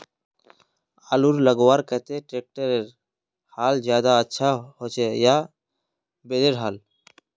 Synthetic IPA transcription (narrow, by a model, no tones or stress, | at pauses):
aːluɾləɡwaːɾkət̪eʈɾeːk̚ʈəɾeɾ | haːld͡ʒjaːd̪aətːʃʰahoːt͡ʃejaː | beːd̪eɾɦaːl